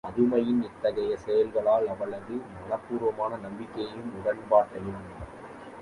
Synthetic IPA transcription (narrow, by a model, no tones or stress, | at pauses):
ɐðɯmɐjɪnɪt̪ːɐɣɐjɐsɛjɐlɣɐɭaːlɐʋɐɭɐðɯmɐnɐpːuːɾʋɐmaːnɐnɐmbɪkːɐjɯmʊɽɐɳbaːɾt̪ɐɾɪʋɐnɐnɐ